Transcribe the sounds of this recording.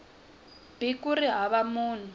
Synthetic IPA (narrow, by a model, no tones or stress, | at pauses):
b̥ikuɾiɦaβamuːn̤u